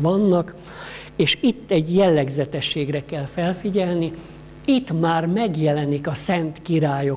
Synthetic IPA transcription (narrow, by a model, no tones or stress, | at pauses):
ʋɒnːɒk | eːʃit̪ːɛɟjɛlːɛɡzɛt̪ɛʃːeːɡrɛkɛlfɛlfiɟɛlni | it̪maːrmɛɡjɛlɛnikɒsɛnt̪kiɾaːjo